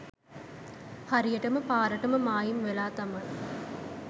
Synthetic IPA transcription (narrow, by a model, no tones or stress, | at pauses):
hɐɾijɐʈɐməpaːɾɐʈɐməmaːjimʋelaːt̪ɐmɐ